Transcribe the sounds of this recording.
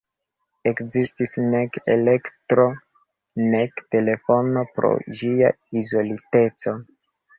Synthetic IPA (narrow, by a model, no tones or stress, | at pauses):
e̞kzistisne̞kḛle̞ktɾo̞ | ne̞kte̞le̞fo̞no̞pɾo̞̰d͡ʒia̰ | izo̞lite̞t͡so̞